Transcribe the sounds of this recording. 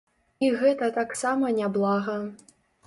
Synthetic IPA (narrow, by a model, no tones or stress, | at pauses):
iɣɛt̪ɐt̪aksamɐnʲablˠaɣɐ